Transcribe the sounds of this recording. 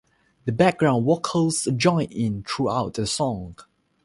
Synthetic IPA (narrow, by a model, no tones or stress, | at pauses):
dəbɛk̚ɡɹãʊ̃ndwɔkʰəsd͡ʒɔ̃ɪ̃nɪ̃ntʰɹuaʊt̚dəsɔ̃ŋ